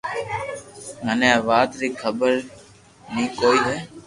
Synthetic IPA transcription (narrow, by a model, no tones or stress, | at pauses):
mənẽːʋaːt̪ɾiːkʰəbəɾ | nĩːkoːiːɦeː